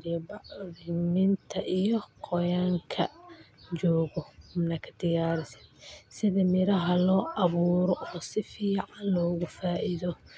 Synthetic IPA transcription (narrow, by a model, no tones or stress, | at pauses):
ɾɪjbɑʕðɪmɪnt̪ʰɐʔijɔqʰɔjaːŋkʰɐ̰t͡ʃɔːɣɔhʊmnɐkʰɐ̥d̪ɪjaːɾɪsɐ̥d̪sɪðɐmɪɾɐɦɐlɔːʔɑβuːɾɔʔɔsɪfiːʕɑnlɔːɣʊfaːʔɪðɔ